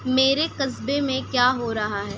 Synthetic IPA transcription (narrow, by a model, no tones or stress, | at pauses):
meːɾekɐzbemẽkjaːɦoɾɐɦaɦɛː